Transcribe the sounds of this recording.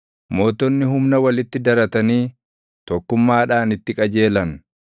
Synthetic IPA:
mo̞ːt̪ɔnːɪɦʊmnɐwɐlɪt̪ːɪd̪ɐɾɐt̪ɐniː | t̪ɔkːʊmːaːᶑaːnɪt̪ːɪkʼɐd͡ʒe̞ːlɐn

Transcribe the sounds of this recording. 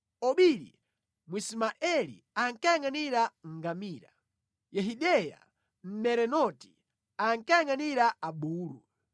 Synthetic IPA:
ɔɓiɾḭ | mwismaʔɛlḭ | aŋkajaŋaniɾaŋ̩ɡamiːɾa̰ | jɛɦiɗɛja̰ | m̩mɛɾɛnɔti̥ | aŋkajaŋaniɾaaɓuːlṵ

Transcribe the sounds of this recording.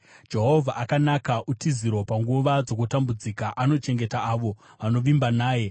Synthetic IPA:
d͡ʒe̞ɦo̞vʱaʔakanakaʔutiziɾo̞paŋɡuʋad͡zo̞kutambud͡zikaʔano̞t͡ʃe̞ŋɡe̞taːʋo̞ | ʋano̞ʋimbanaːje̞

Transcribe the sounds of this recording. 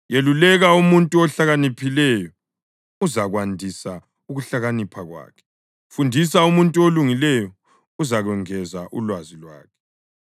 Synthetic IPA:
jelulɛɣaumuntʼuɔɬaɣanipʰilɛjɔ | uzaɣwandʱisa | uɣuɬaɣanipʰaɣwa̰ːkʰɛ̥ | fundʱisaumuntʼuoluŋilɛjɔ | uzaɣɛŋɛzaʔṵlwazilwa̰ːkʰɛ̥

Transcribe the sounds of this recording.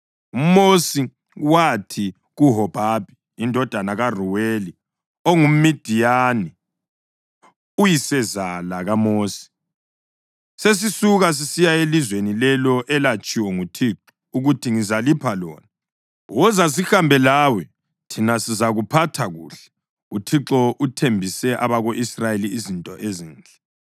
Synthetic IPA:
umosi | watʰi | ɣuɦɔb̥ʱabʱiːndʱɔd̥ʱanaɣaruweli | oŋum̩mid̥ʱijaːni | ujisɛzalaɣamoːsi̥ | ses̬isuɣas̬isijaelizwenilɛlɔʔɛlat͡ʃʼiwɛŋutʰiːǁɔ̥ | uɣutʰiŋizalipʰalɔ̰ːna | wɔzas̬ixambʱɛlawɛ | tʰinasizaɣupʰatʰaɣṵːɬɛ̥ | utʰiǁɔʔutʰembʱisɛʔaβaɣoʔisrajeliːzintʼɔʔeziːnd͡ɮʱɛ

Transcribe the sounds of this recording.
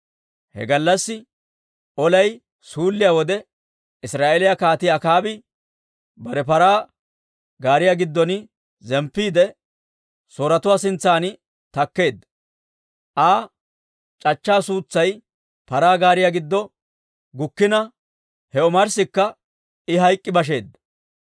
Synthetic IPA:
hɛ̰ɡɐlːɐsːɪ | ʔɔlɐj | suːlːɪjawɔd̪ɛ | ɪsɾaːʔelɪjakaːt̪ɪjakaːbɪ | bɐɾɛpɐɾaː | ɡaːɾɪjaɡɪd̪ːɔnɪ | zɛmpːiːd̪ɛ | soːɾɐt̪ʊwaːsɪnt͡sːaːnɪ | t̪ɐkːe̞ːd̪ːɐ | ʔaː | t͡ʃʼɐt͡ʃːaːsuːt͡sːɐj | pɐɾaːɡaːɾɪjaɡɪd̪ːɔ | ɡʊkːɪnɐ | hɛɔmɐɾsɪkːɐ | ɪɦɐjkʼːɪbɐʃ̬e̞ːd̪ːɐ̥

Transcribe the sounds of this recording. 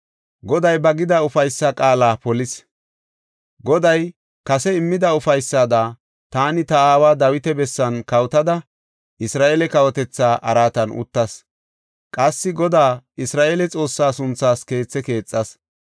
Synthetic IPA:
ɡɔd̪ɐjbɐɡɪd̪ɐʊfɐjsːɐkʼaːlaːpɔlɪs | ɡɔd̪ɐj | kɐsɛɪmːɪd̪ɐʊfɐjsːaːd̪a | t̪aːnɪt̪ɐaːwaːd̪ɐwɪt̪ɛbɛsːɐnkɐwt̪ɐd̪ɐ | ʔɪsɾaːʔelɛkɐwɔt̪ɛt͡sːaːʔɐɾaːt̪ɐnʔʊ̰t̪ːɐs | kʼɐsːɪɡɔd̪aːɪsɾaːʔeːlɛt͡sʼo̞ːsːaːsʊnt͡sːaːske̞ːt͡sːɛke̞ːt͡sʼːɐs

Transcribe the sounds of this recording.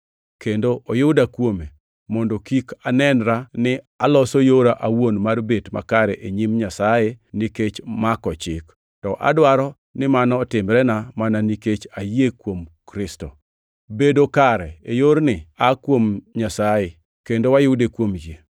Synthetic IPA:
kendoʔojʊdakwome | mɔndokikanɛnɾanɪ | alɔsojoɾaʔawonmarbetma̰kaɾɛʔeɲimɲasajeniket͡ʃmakɔt͡ʃɪk | tɔʔa̰dwaɾɔ | nɪmanɔːtɪmɾɛnamananiket͡ʃajekwomkɾɪsto | bedokaɾɛejoɾnɪakwomɲasaje | kendowajʊdekwomd͡ʒe

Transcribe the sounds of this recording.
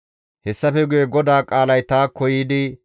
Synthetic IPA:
hɛsːɐfɛɡʊjɛɡɔd̪aːkʼaːlɐjt̪aːkɔjiːd̪ɪ

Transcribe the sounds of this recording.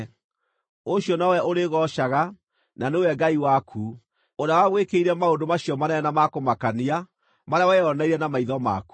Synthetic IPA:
oɕiɔnawɛʔoɾeɣɔʃaɣa | nanewɛɡaiwakʰuː | oɾawaɣwekeiɾɛmaondomaɕjɔmanɛɛnamakomakania | maɾeawɛɔnaiɾɛnamaiðɔma̰ku̥

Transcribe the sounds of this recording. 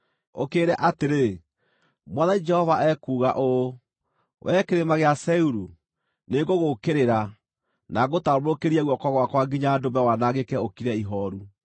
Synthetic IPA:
o̰keːɾɛʔateɾe | mwaðaid͡ʒɛhɔvaʔɛkuːɣaʔo | wʔɛkeɾemaɣeasɛuɾu | neɡoɣokeɾeɾa | naɣotamoɾokeɾiaɣwɔkɔɣwakwaɡiɲaːdomɛwanaɣekɛokiɾɛiɦɔɾu

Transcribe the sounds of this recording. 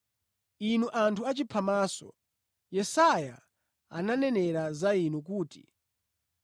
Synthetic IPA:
inuʔantʰuat͡ʃipʰamaːsɔ̰ | jɛsaja̰ | a̰nanɛnɛɾazainuk̬uːti̥̰

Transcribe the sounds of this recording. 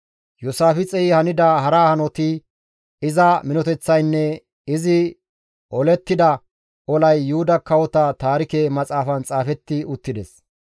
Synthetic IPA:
jʊsaːfɪt͡sʼɛjɪhɐnɪd̪ɐhɐɾaːhɐnɔt̪ɪ | ɪzɐmɪnɔt̪ɛt͡sːɐjnːɛ | ɪzɪ | ʔɔlɛt̪ːɪd̪ɐ | ɔlɐjːʊhʊd̪ɐkɐwɔt̪ɐt̪aːɾɪkemɐt͡sʼaːfɐnt͡sʼaːfɛt̪ːɪʊt̪ːɪd̪ɛs

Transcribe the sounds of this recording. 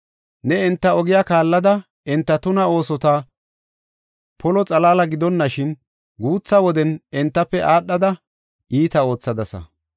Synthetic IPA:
nɛɪnt̪ːɐɔɡɪjaːkaːlːɐd̪ɐ | ɪnt̪ːɐt̪ʊnɐo̞ːsɔt̪aː | pɔlɔt͡sʼɐlaːlɐɡɪd̪ɔnːɐʃɪn | ɡuːt͡sːɐwɔd̪ɛnɪnt̪ːɐpːɛʔaːɗːɐd̪ɐ | ʔiːt̪ɐo̞ːt͡sːɐd̪ɐsɐ̰

